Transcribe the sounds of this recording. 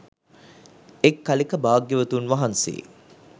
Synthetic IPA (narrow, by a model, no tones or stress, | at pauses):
ekːalikəbaːɡjəʋət̪unʋɐɦansḛː